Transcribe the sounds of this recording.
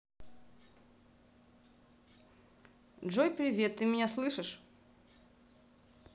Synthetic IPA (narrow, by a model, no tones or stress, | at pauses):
dʐojpɾʲɪvʲe̞t̪ːɨmʲɪnʲaslˠɨʂɨʂ